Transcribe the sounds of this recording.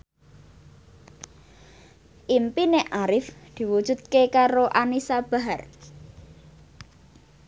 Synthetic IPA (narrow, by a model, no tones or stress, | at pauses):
ʔimpineʔaɾɪfd̪̥i̤wud̥ʒ̥ṳt̪̚kekaɾoʔanisab̥a̤ɦar